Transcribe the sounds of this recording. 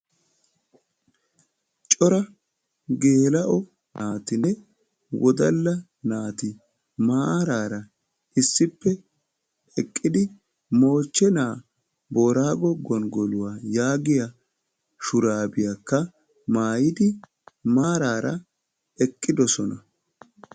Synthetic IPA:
t͡ʃʼɔɾɐ | ɡe̞ːlɐʔɔ | naːt̪ɪnɛ | wɔd̪ɐlːɐ | naːt̪ɪ | maːɾaːɾɐ | ɪsːɪpːɛ | ɛkʼːɪd̪ɪ | mo̞ːt͡ʃːɛnaː | boːɾaːɡɔɡɔnɡɔlʊwaːjaːɡɪjɐ | ʃʊɾaːbɪjakːɐ | maːjɪd̪ɪ | maːɾaːɾɐ̰ | ɛkʼːɪd̪ɔsɔnɐ

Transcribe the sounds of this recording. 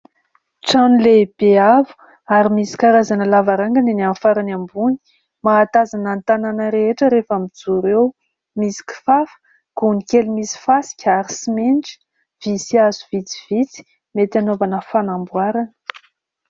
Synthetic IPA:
t͡sanileb̥eavu̥ | aɾimisi̥kaɾazanəlavaɾaŋɡaninianfaɾanambuni̥ | maːt̪azanant̪ananəɾeeʈ͡ʂəɾefamid͡zuɾew | misi̥ki̥fafə̥ | kunikelumisi̥fasi̥kʲəaɾisimenʈ͡ʂi̥ | v̥isiazuvit͡si̥v̥it͡si̥ | met̪anovanəfanambwaɾanə̥

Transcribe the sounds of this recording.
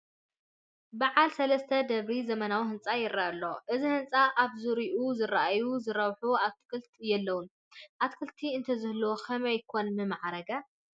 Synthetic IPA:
baʕalsɐlɐst̪ʰɐd̪ɐβɾizɐmɐnawihɨnt͡sʼajɪɾʔaʔɐlːo̞ʔɨzihɨnt͡sʼaʔaβzɨɾiʔuzɨraʔajuzɨɾɐβħuaβt̪ʰɨ̥kʰɨlt̪ʰjɛlːɐwun | ʔat̪kʰɨlt̪ʰiɨnt̪ʰɐzɨhlwokʰɐmɐjkʰo̞nmɨmaʕɾɐɡa

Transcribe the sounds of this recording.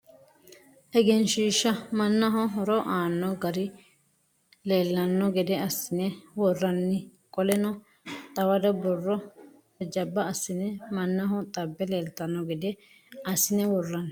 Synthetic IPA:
ʔɛɡɛnʃiːʃːɐmɐnːɐɦɔɦɔɾɔʔaːnːɔɡɐɾɪ | le̞ːlːɐnːɔɡɛd̪ɛɐsːɪnɛwɔrːɐnːɪkʼɔlɛnɔ | t̪ʼɐwɐd̪ɐbɔrːɔ | ɛd͡ʒɐbːɐːsːɪnɛmɐnːɐɦɔt̪ʼɐbːɛleːlt̪ɐnːɔɡɛd̪ɛ | ɐsːɪnɛwɔrːɐn

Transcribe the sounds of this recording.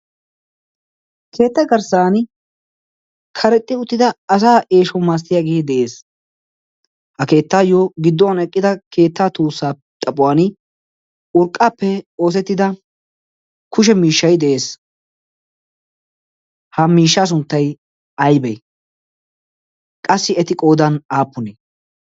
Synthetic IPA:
kʰe̞ːt̪ːɛɡɐɾsaːn | kʰɐɾɛt̪ʼːɪʊt̪ːɪd̪ɐɐs̬aːʔeːʃɔmaːs̬t̪ɪjaːɡeːd̪ɛʔe̞ːs | hɐke̞ːt̪ːaːjoɡɪd̪ːɔwɐnɛkʼːɪd̪ɐkʰe̞ːt̪ːaːt̪uːsːaː | t̪ʼɐpʼːʊwaːn | ʊɾkʼːaːpːɛo̞ːs̬ɛt̪ːɪd̪ɐ | kʰʊʃ̬ɛmiːʃːɐjd̪ɛʔe̞ːs | hɐmiːʃːaːs̬ʊnt̪ːɐj | ɐjbɛj | kʼɐsːɪɛt̪ɪkʼo̞ːd̪ɐnaːpːʊnɛ

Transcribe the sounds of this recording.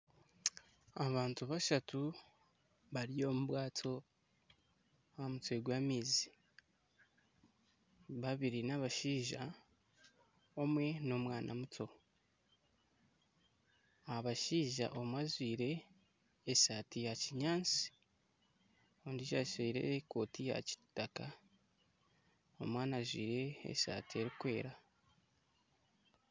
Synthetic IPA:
aβaːntuβaʃatʰu | βaɾijo̞muβwaːtʰo̞ | aamutweɡwaːmiːzi | βaβiɾinaβaʃiːʒa | o̞mwe̞no̞mwaːnʔa̰mutʰo̞ | aβaʃiːʒa̰ʔo̞mwazwiːɾe̞ː | saːtijaciɲaːnt͡si̥ | ondiʒaʃiːɾe̞̰ko̞ːtija̰ci̥tːaka | o̞̰mwaːnazwiːɾe̞̰ːsa̰ːtie̞ɾikwe̞ːɾa

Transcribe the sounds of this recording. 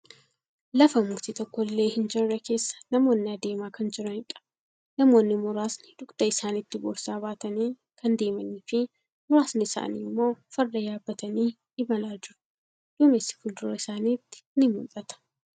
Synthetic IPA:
lɐfɐmʊɡt̪it̪ɔkːɔlːeːhɪnd͡ʒɛrːɐke̞ːsːɐ̥nɐmo̞ːnːɪɐd̪e̞ːmaːkɐnd͡ʒɪɾɐnɪᶑɐ̥ | nɐmo̞ːnːɪmoːɾaːsnɪd̪ʊkʼd̪̥ɐɪsaːnɪt̪ːɪbo̰ːɾsaːbaːt̪ɐniː | kʰɐnd̪e̞ːmɐniːfɪ | mʊɾaːsnɪɪsa̰ːnḭːmːo̞ːfɐɾd̪ɐjaːbːɐt̪ɐniː | ɪbɐlaːd͡ʒɪɾʊ̥ | d̪̥ʊmesːɪ̥fʊld̪ʊɾɐɪsaːniːt̪ːɪ̥nɪmʊlɐt̪ɐ̥

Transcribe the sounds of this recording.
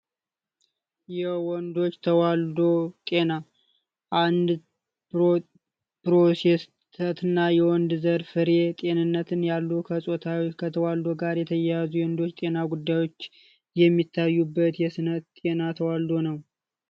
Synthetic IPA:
jɛwɔnd̪o̞t͡ʃːt̪ʰəwald̪o̞t̪ʼe̞na | ʔand̪ | pɾo̞seɛs | t̪ʰət̪ɨnːajɛwɔnd̪zəɾfɨɾe̞t̪ʼe̞nɨnːət̪ʰɨnjalːukʰəsʼo̞t̪ʰawot͡ʃːkʰət̪ʰəwald̪o̞ɡaɾjɛt̪ʰəjjazujɛwnd̪o̞t͡ʃːt̪ʼe̞naɡud̪ːajwo̞t͡ʃː | jɛmːit̪ʰːajːubːət̪jɛsɨnət̪t̪ʼe̞nat̪ʰəwald̪o̞nəw

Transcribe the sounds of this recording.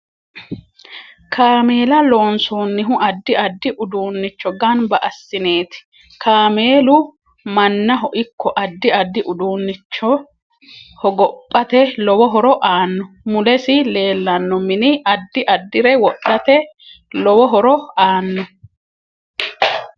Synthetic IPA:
kʰaːme̞ːlɐlo̞ːnsoːnːɪɦʊɐd̪ːɪɐd̪ːɪʔʊd̪uːnːɪt͡ʃːɔɡɐnbɐʔɐsːɪne̞ːt̪ɪ̥ | kʰaːme̞ːlʊ | mɐnːɐɦɔʔɪkːɔʔɐd̪ːɪɐd̪ːɪʔʊd̪uːnːɪt͡ʃːɔ | hɔɡɔpʼːɐt̪ɛlɔwɔɦɔɾɔʔaːnːɔ | mʊlɛsɪle̞ːlːɐnːɔmɪnɪɐd̪ːɪʔɐd̪ːɪɾɛwɔɗɐt̪ɛ | lɔwɔɦɔɾɔaːnːɔ

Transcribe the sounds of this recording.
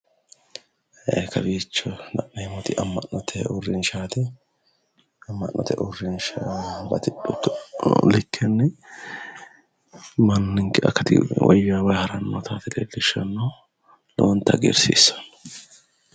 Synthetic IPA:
ekɐbiːt͡ʃːɔnɐʔnɐjmɔt̪ɪʔɐmːɐʔnɔt̪ʰɛɔrːɪnʃaːt̪ɛ | ɐmːɐ̰ʔnːʔɔ̰t̪ɛ̰ʔʊrːɪnʃalɐ̰t̪ɪᶑʊ | lɪkʰːɛnːɛ | mɐnːɪŋkɛɐ̰kːɐt̪ɪ̰wʔɔ̰jaːwɐjhɐɾɐnːot̪ʰaːt̪ɪd̪elːɪʃɐnːɐ | lo̰nt̪ːɐɡḛɾsḭsːɐ̥nɔ̥

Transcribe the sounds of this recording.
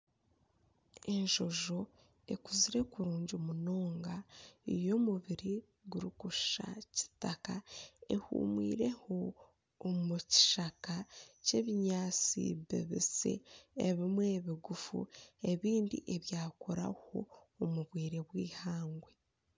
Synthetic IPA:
e̞nʒo̞ʒo̞ | e̞̰kuziɾe̞kuɾuːɲɟomuno̞ːŋɡaijo̞muβiɾi | ɡuɾikuʃa̰ci̥takae̞hṵːmwḭːɾe̞ho̞ː | muci̥ʃakace̞ːβiɲaːt͡sḭβḛβḭsḛeβimwe̞ːβiɡufṵe̞βiːndḭʔe̞βjaːkoɾa̰ho̞̰ː | muβwiːɾe̞βwiːhaːŋɡwe̞

